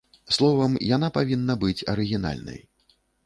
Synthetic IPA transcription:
slˠɔvɐmjanapavʲinːɐbɨt͡sʲɐ̰ɾɨɣʲina̰lʲnɐ̰j

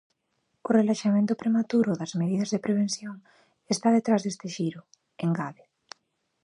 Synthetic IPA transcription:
ʊrelaʃamẽnt̪ʊpɾemat̪uɾʊðɐzmeðiðɐzðepɾeβ̞enθjoŋ | est̪aðet̪ɾazðest̪ɪʃiɾʊ | eŋɡaβɪ

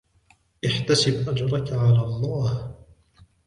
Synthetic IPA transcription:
ʔɪħt̪asɪbʔad͡ʒɾˤɑkaʕalaːlˤːɑːh

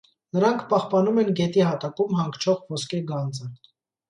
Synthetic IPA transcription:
nəɾɑŋkʰpɑhpɑnumɛnɡɛt̪ihɑt̪ɑkumhɑŋkt͡ʃʰɔʁvɔskɛɡɑnt͡sə

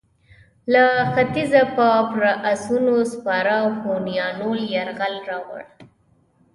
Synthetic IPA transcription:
laxat̪izapɑpɾaʔasunospɑɾawhonijɑnoljaɾɣalɾɑwa̰ɽ

